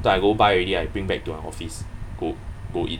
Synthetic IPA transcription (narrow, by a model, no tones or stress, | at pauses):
tɛ̃ajɡobajɹɛdiajbɹĩŋbɛk̚tumãnɔ̰fisɡ̥oɡoʔḭt̚